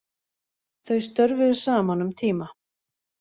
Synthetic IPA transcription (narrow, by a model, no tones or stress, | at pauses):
θœɥst̪œɾvʏðʏ̥saːmanʏmt̪ʰiːma